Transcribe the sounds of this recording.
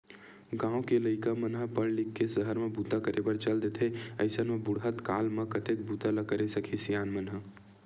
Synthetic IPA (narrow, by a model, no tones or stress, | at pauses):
ɡãːõkeləɪkamənɦəpəɽlikːesəɦəɾmebut̪ːakəɾʔebəɾt͡ʃəld̪et̪ʰeə̰ɪsənmebʊɽɦət̪kaːlmẽkət̪ek̚but̪aləkəɾesəkʰisijaːnmənɦə